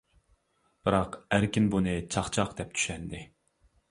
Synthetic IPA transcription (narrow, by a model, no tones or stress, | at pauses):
b̥ɨɾɑqæɾkʲinbunɨt͡ʃʰɑχt͡ʃʰɑqd̪ɛp̚t̪ʰy̥ʃɛnd̪ɪ